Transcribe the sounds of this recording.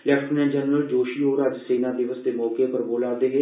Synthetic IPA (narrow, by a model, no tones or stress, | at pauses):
lɛːkʈʰonẽnd͡ʒɛnɾəld͡ʒoːʃiːɦoːɾəd͡ʒseːnaːd̪ɪʋəsd̪eːmɔːkepəɾboːlaːd̪eːɦeː